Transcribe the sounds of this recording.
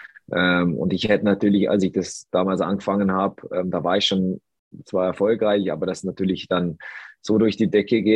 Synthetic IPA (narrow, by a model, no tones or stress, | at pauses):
ʔɛːmʊ̰ntɪçhɛtənatʰyːɐlɪça̰lsɪçd̥asd̥aːmaːlsʔa̰nɡəfaŋənhaːbəʔɛːmdaːvaːɐɪçʃoːn | t͡sv̥aːɛɐfɔlkʁaɪçʔa̰ːbɐdasnatʰyːɐlɪçd̥anz̥oːdʊɐçd̥iːdɛkəɡeː